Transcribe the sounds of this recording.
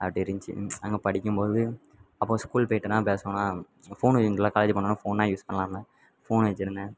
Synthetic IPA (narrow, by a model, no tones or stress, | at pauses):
ɐʈːɪɾɯɲt͡ʃḭɐŋɡɐpɐɽɪkʲːɯmpoːðɯ | ɐpːõːskuːlpoːɪʈːɯnãːpeːsɐŋɐnãː | foːnt͡ʃːɯŋɯlːaːkaːled͡ʒpɐɳːɐ̃nːaːfoːnːãːjuːspɐɳɐlãːmãː | foːnʋɛt͡ʃːɪɾɯnd̪ɐ